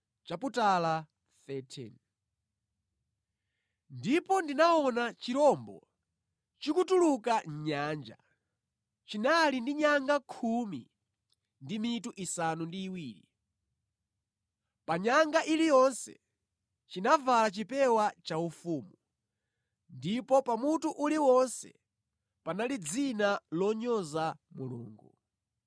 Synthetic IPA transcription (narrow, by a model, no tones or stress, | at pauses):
t͡ʃaputala | θɛtʰɛ̰n | ndipɔndinaɔnat͡ʃiɾɔmbɔ̰ | t͡ʃikutulukaɲ̩ɲaːnd͡ʒa̰ | t͡ʃinalindiɲaŋɡakʰumḭ | ndimituʔisanundiːwiːɾi | paɲaŋɡaʔilijɔnsɛ̰ | t͡ʃinavalat͡ʃipɛwat͡ʃaufuːmu | ndipɔpamutuʔuliwɔnsɛ̰ | panalid͡zinalɔɲɔzamulṵːŋɡu